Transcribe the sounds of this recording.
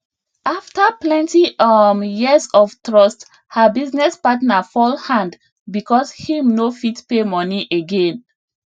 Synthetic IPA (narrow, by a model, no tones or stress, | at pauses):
aftaplɛ̃ntiɔmjiəzɔftɹɔst | həbiznɛspatnafɔlhãnd | bikɔshĩmnofitpemɔniʔeɡẽn